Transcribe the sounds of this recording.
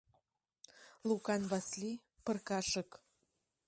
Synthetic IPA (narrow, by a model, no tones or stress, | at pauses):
lukɑnβɑsli | pə̆rkɑʃɤ̆k